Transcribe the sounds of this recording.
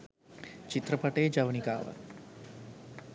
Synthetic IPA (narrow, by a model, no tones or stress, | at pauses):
t͡ʃit̪ɾəpɐʈeːd͡ʒɐʋnika̰ːʋə̰